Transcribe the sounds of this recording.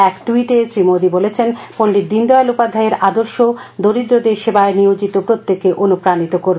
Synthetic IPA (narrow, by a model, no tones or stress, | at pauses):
ɛkʈuiʈesɾimod̪ibolet͡ɕʰenpoɳɖid̪ind̪ɔelupad̪ʱaeɾad̪oɾʃod̪oɾid̪ɾod̪eɾʃebaeniod͡ʑit̪opɾot̪ːekːeʔonupɾanit̪okoɾ